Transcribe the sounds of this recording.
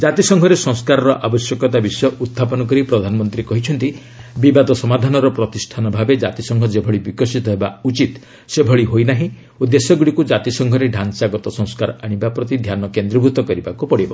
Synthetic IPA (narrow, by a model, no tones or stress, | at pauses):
d͡ʒat̪isɔŋɡʱɔɾesɔ̃ŋskaɾɔɾɔʔabɔsjɔkɔt̪abisɔjɔʔut̪ʰːapɔnɔk̬ɔɾipɾɔd̪ʱanɔmɔnt̪ɾikɔɦit͡ʃʰɔnt̪i | bibad̪ɔsɔmad̪ʱanɔɾɔpɾɔt̪isʈʰanɔbʱabed͡ʒat̪isɔŋɡʱɔd͡ʒebʱɔɭibikɔsit̪ɔɦebaut͡ʃit̪ | sebʱɔɭiɦojnaɦĩ | od̪esɔɡuɭikud͡ʒat̪isɔŋɡʱɔɾeɖʱansaɡɔt̪ɔsɔ̃ŋ̃skaɾɔaɽ̃ibapɾɔt̪id̪ʱjanɔkend̪ɾɔbʱut̪ɔkɔɾibakupɔɽibɔ